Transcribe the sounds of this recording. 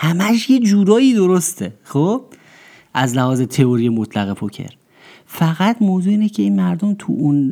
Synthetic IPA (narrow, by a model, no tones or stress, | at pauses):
hæmæʃje̞d͡ʒuːɾɒːiːd̪oɾost̪ʰexob̥̚ | ʔæzlæhɒːze̞t̪ʰe̞oɾijemot̪ʰlæɣepʰocʰḛɾ | fæɣæt̪moːzuːiːnecʰe̞iːnmæɾd̪omt̪ʰṵʔun